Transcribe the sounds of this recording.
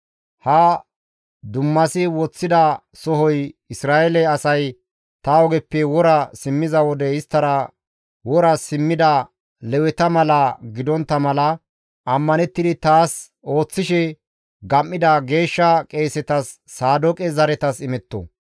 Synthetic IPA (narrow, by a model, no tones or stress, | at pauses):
hɐ | d̪ʊmːɐsɪwɔt͡sːɪd̪ɐ | sɔɦɔjɪsɾaːʔɛlɛɐsɐj | t̪ɐɔɡɛpːɛwɔɾɐsɪmːɪzɐwɔd̪ɛɪst̪ːɐɾɐ | wɔɾɐsɪmːɪd̪ɐ | lɛwɛt̪ɐmɐlɐɡɪd̪ɔnt̪ːɐmɐlɐ | ɐmːɐnɛt̪ːɪd̪ɪt̪aːs | o̞ːt͡sːɪʃɛ | ɡɐmːɪd̪ɐɡe̞ːʃːɐkʼe̞ːsɛt̪ɐsː | aːd̪ɔkʼɛzɐɾɛt̪ɐsɪmɛt̪ːɔ̰